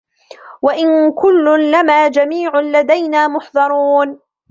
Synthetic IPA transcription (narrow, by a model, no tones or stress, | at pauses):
waʔɪnkʊlːʊnlamaːd͡ʒamiːʕʊlad̪ajnaːmʊħðˤɑɾˤuːn